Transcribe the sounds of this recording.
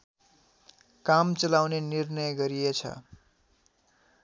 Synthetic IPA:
kamt͡sʌlawnenirnʌjɡʌɾijet͡sʰʌ̰

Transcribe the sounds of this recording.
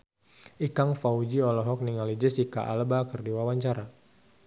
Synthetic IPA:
ʔikaŋfaud͡ʒiɔlɔɦɔk̚niŋalid͡ʒɛsika̰ʔa̰lbakərdiwawaɲt͡ʃaɾa

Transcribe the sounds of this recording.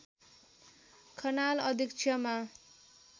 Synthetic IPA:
kʰʌnalʌd̪ʱikt͡sʰjʌma

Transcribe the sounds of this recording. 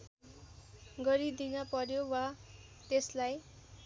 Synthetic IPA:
ɡʌɾid̪inʌpʌɾjowa | t̪eslaj

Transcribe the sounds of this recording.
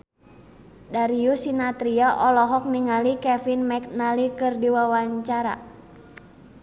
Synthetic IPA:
daɾiusinat̪ɾiaʔɔlɔɦɔk̚niŋalikɛfinmɛk̚nalikɨrdiwawaɲt͡ʃaɾa̰

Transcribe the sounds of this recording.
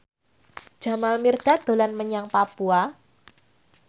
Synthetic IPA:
d͡ʒ̥a̤malmird̪̥ad̪̥o̤lanməɲaŋpapua

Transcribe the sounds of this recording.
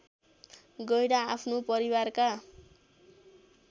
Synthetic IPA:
ɡʌjɾaːpʰnopʌɾiwarka

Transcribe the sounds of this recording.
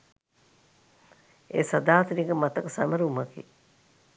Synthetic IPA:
ḛːsɐd̪aːt̪ənikəmat̪ɐksɐməɾuməkḭ

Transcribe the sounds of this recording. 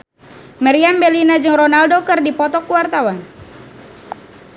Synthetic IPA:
maɾiambɛlinad͡ʒɨŋrɔnaldɔkɨrdipɔt̪ɔkuwart̪awan

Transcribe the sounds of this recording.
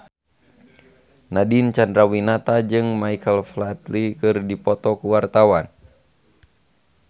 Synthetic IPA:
nadint͡ʃandɾawinat̪ad͡ʒɨŋmajkəlflat̪likɨrdipɔt̪ɔkuwart̪awan

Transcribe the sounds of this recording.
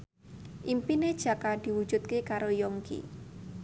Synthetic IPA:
ʔimpined̥ʒ̥ä̤kad̪̥i̤wud̥ʒ̥ṳt̪̚kekaɾojoŋkḭ

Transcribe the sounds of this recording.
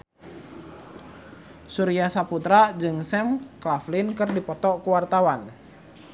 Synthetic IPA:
suɾiasaput̪ɾad͡ʒɨŋsɛmklaflɪnkɨrdipɔt̪ɔkuwart̪awan

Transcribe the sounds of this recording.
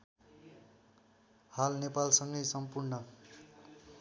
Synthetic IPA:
halnepalsʌŋɡʌjsʌmpurnʌ

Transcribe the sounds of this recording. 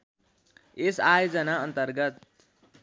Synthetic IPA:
esaːjod͡zʌnaʌnt̪ʌrɡʌt̪̚

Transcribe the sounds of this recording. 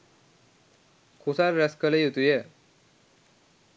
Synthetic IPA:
kʰusaɾɾɛskəlejet̪uje

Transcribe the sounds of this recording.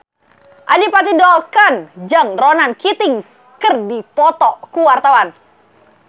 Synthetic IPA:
ʔadipat̪idɔlkand͡ʒaŋronankit̪ɪŋ | kərdipɔt̪ɔkuwart̪awan

